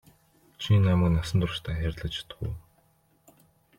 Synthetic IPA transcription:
t͡ɕʰinamə̆knasə̆nt̪ʊrʃt̪ʰaːxʲærʲt̪ɮə̆t͡ɕʰi̥t̪̆xṵ

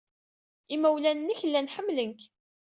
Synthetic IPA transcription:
imæwlænənːəçəlːænħəmːlənk

